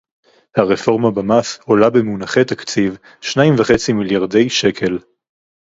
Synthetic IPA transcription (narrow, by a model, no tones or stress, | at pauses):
haʁefo̞ʁmabamaso̞labemunaχet̪akt͡siv | ʃnaimvaχet͡similjaʁd̪e̞jʃe̞kʰe̞l